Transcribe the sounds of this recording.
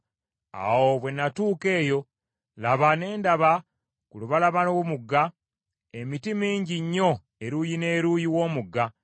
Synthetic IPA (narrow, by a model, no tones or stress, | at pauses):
a̰wo̞βwe̞nːatuːke̞ːjo̞ | laβane̞ːndaβa | kuluβalaβanowumuɡːa | emitimiːɲɟiɲːo̞ | eɾujine̞ːɾuːjiwo̞ːmuɡːa